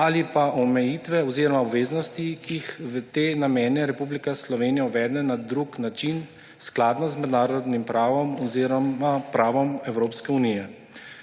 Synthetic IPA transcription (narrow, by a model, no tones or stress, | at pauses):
alipaʔɔmɛjiːt̪ʋɛɔziːɾɔmaɔbʋeːznɔst̪ikixʋət̪eːnamɛːnɛɾɛpublikaslɔʋeːnijauʋɛːd̪nɛnad̪ɾuknat͡ʃin | sklaːd̪nɔzmɛd̪naːɾɔd̪nimpɾaːʋɔmɔziɾɔapɾaːʋɔmɛwɾoːpskɛunijɛ